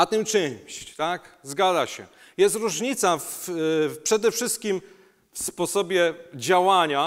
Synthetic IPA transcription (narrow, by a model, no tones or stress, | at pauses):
at̪ɨmt͡ʂɘɪɲɕt͡ɕt̪akzɡad̪aɕɛ̰ | jɛst̪ɾuʐɲit̪saf | pʂɛd̪ɛfʂɘst̪̚kʲim | fspɔsɔbʲjɛd͡ʑawaɲa